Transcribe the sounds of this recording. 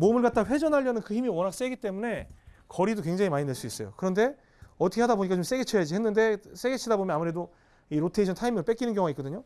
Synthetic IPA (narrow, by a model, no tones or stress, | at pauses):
momɯɭɡat̚t͈aɸwe̞d͡ʑʌnaʎːʌnɯnkɯçimiwʌnak̚s͈e̞ɡit͈e̞mune̞kʌɾidokwe̞ŋd͡ʑaŋimaɲineɭs͈uis͈ʌjo̰kɯɾʌnde̞ | ʌtʰʌkʰe̞adaboɲikat͡ɕoms͈e̞ɡet͡ɕʰejad͡ʑiɦenːɯnde̞s͈eɡet͡ɕʰidabomjʌnamuɾe̞do | iɾotʰeiɕʰʌntʰaimiŋɯɭp͈e̞k͈inɯnɡjʌŋoaik͈ʌdɯɲo